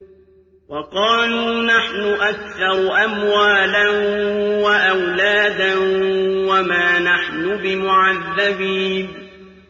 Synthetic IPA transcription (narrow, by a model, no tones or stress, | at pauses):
wɑqɑːluːnaħnʊʔakθɑɾˤʔamwaːlanwaʔawlaːd̪anwamaːnaħnʊbɪmʊʕaðːabiːn